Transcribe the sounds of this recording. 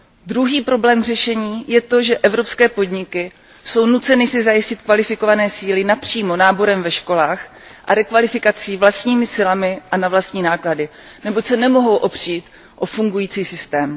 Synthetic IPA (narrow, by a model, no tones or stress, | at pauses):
d̪ɾuɦiːpɾo̞blɛːmr̝ɛʃɛɲiːjɛt̪o̞ʒɛʔɛvɾo̞pskɛːpo̞dɲɪkɪ | so̞wnut͡sɛnɪsɪzajɪscɪt̪kvalɪfɪko̞vanɛːsiːlɪnapr̝̥iːmo̞naːbo̞ɾɛmvɛʃko̞laːx | ʔaɾɛkvalɪfɪkat͡siːvlast̪ɲiːmɪsɪlamɪʔanavlast̪ɲiːnaːkladɪ | nɛbo̞csɛnɛmo̞ɦo̞wʔo̞pr̝̥iːt̪ | ʔo̞fuŋɡujiːt͡siːsɪst̪ɛːm